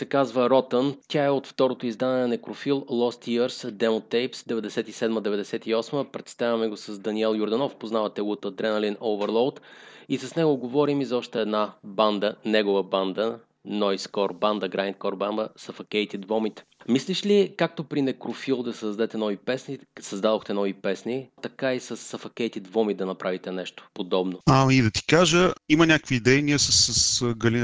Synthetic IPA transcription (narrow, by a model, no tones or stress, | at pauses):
sɛkazvəɾɔt̪ənt̪ʲaɛot̪ft̪ɔɾot̪oizd̪anɛɛnɐnɛkɾofilˠlˠɔst̪iəɾsd̪ɛmot̪ɛjpsd̪ɛvɛd̪ɛsɛt̪isɛd̪məd̪ɛvɛd̪ɛsɛt̪iɔsməpɾɛt̪st̪avʲɐmɛɡosɐzd̪ɐniɛlˠjʊɾd̪ɐnɔfpoznavɐt̪ɛɡʊt̪əd̪ɾɛnəlinʔovəɾlˠowt̪isɐsnɛɡoɡovɔɾimizɔʃt̪ɛɛd̪naband̪ənɛɡʊvəband̪ə | nɔjskɔɾband̪əɡɾaint̪kɔɾbanb̪əsɐfɐkɛjt̪id̪vɔmit̪misliʃlikak̚t̪opɾinɛkɾofilˠd̪ɐsɐzd̪ɛt̪ɛnɔvipɛsnisɐzd̪ad̪oxt̪ɛnɔvipɛsnit̪ɐkaisɐsːɐfɐkɛjt̪id̪vɔmid̪ɐnɐpɾavit̪ɛnɛʃt̪o̥pod̪ɔbnoamid̪ɐt̪i̥kaʒəimɐnʲakəkviːd̪ɛjniəsəsəsɡɐli